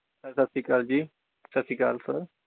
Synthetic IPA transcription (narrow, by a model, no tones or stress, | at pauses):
sɐɾsɐsikaːld͡ʒiː | sɐsika̰ːlsəɾ